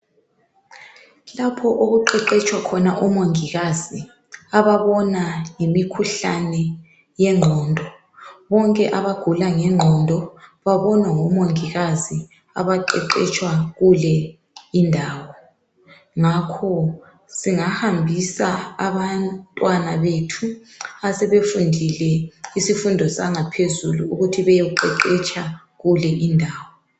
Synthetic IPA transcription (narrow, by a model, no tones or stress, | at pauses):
lapʰɔʔoɣuǃɛǃɛt͡ʃʼwakʰɔnaʔumoŋiɣazi | aβaβɔnajimikʰuɬanɛ | jɛŋ͡ǃʱɔndʱɔ | βɔŋkʼɛʔaβaɡ̥ʱulaŋɛŋ͡ǃʱɔndʱɔβaβɔnwaŋɔmoŋiɣazi | aβaǃɛǃɛt͡ʃʼwaɣulɛ | indʱaːwɔ | ŋakʰɔ | siŋahambʱisaaβantʼwanaβetʰu | asɛβefundʱilɛisifundʱɔsaŋapʰezuluuɣutʰiβɛjouǃɛǃɛt͡ʃʼa | ɣulɛʔindʱaːwɔ